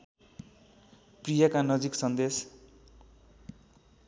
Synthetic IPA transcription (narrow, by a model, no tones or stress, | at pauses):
prijʌkanʌd͡ziksʌnd̪es